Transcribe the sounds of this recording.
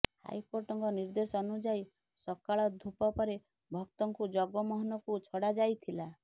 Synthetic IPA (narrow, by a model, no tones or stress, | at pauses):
ha̰jkoɾʈɔŋkɔniɾd̪esɔːnud͡ʒaj | sɔkaɭɔd̪ʱupɔpɔɾe | bʱɔk̚t̪ɔŋkud͡ʒɔɡɔmɔɦɔnɔkut͡ʃʰɔɽad͡ʒajt̪ʰila